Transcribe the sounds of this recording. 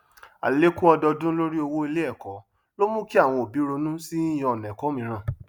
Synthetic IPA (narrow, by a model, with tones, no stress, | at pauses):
a̰˨le˦ku˦ɔ˧dɔ˧dũ˦lo˦ɾi˦o˧wo˦i˧le˦ɛ˦˨kɔ˨˦ | lo˦mũ˦ki˦a˦˨w̃ɔ̃˧o˨bi˨˦ɾo˧nũ˦si˦j̃ɔ̃˧˨nɛ̃˨kɔ˨˦mĩ˧˦ɾ̃ã˧˨